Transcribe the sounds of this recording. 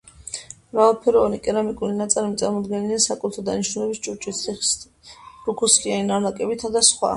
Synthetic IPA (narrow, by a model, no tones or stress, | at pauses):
mɾavalˠpʰɛɾɔvanikʼɛɾamikʼuɾinat̪sʼalimit̪sʼaɾmɔd̪ɡɛnid̪ɛnsakʼut̪ʰɔd̪aniʃnulɛbist͡ʃʼuɾt͡ʃʼit̪iχ | bɾukʰuskʼianinaɾnakʼɛbit̪ʰad̪asχwa̰